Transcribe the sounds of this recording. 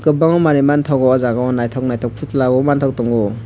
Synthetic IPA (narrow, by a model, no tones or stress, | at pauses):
kɯbaŋɔmaɾimantʰawɡɔɔzaɡaɔnajtʰɔwk̚najtʰɔwk̚pʰutʰlaɡɔmantʰawk̚tɔŋɡɔ